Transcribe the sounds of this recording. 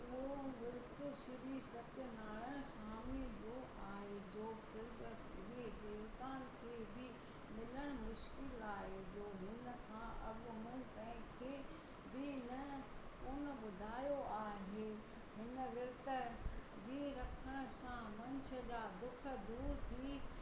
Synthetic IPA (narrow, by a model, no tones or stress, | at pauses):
oʋɪɾt̪ʊsɪɾisɐt̪jənaːɭəsaːmid͡ʑoːʔaːɦed͡ʑoːsɪɾɡə | ɾideːɾk̪aːnkʰeːbɪ | mɪləɽ̃mʊʃkɪlaːɦed͡ʑoːɦɪnə̆kʰãːʔɐɠmũĩt̪ɐ̃ɦɪ̃kʰeː | bɪnɐ | kʊːnə̆ɓʊd̪ʱaːjoʔaːɦeː | ɦɪnəʋɪɾt̪ə | d͡ʑeːɾɐkʰəɽ̃ə̆sãmɐ̃ɲt͡ɕʰə̆d͡ʑaːd̪ʊk̆ʰd̪uːɾt̪ʰiː